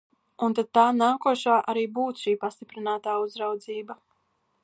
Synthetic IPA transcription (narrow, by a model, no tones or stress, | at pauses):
unt̪ad̪̚t̪ːaːnaːkuɔʃaːʔaɾiːbuːt̪ʃiːpast̪ipɾinaːt̪aːuzɾawd̪ziːba